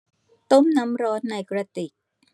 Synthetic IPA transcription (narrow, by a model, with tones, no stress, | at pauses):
t̪o˦˥˩mna˦˥mɾɔː˦˥nːa˧jkɾa˧t̪i˨˩k̚